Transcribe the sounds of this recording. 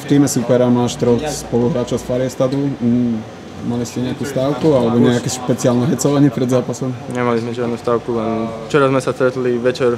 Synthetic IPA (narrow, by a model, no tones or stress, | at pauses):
ft̪iːmɛsupɛɾamaːʃt̪ɾɔspɔluɦɾaːt͡ʃɔʊsfaɾɪɛst̪ad̪u | maliscɛɲɛakust̪aːʊkualɛbɔɲɛakɛʃpɛt͡sɪaːlnɛɦɛt͡sɔʋaɲɪɛpɾɛd̪zaːpasɔmɲɛmalizmɛʒɪad̪nust̪aːʊkulɛnft͡ʃɛɾazmɛsast̪ɾɛt̪liʋɛt͡ʃɛɾ